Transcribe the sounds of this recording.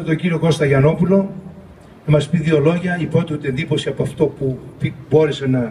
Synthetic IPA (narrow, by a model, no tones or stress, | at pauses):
et̪oɲɟiɾio̞ko̞st̪ɐʝɐno̞pulo̞ | ɐmɐspiðio̞lo̞ʝɐipot̪ut̪iend̪ipo̞siɐpoɐft̪o̞pupibo̞ɾese̞nɐ